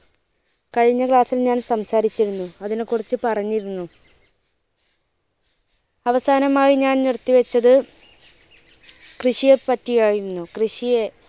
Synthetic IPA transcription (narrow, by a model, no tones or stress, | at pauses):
kɐɻiɲːɐkɭaːsilɲaːnsɐmsaːɾit͡ɕːiɾunːuɐðinekːurit͡ɕːɨpɐrɐɲːiɾunːu | ɐʋɐsaːnɐmaːjiɲaːnnirt̪ːiʋɐt͡ɕːɐðɨ | krɨɕijepɐtːijaːjunːukrɨɕije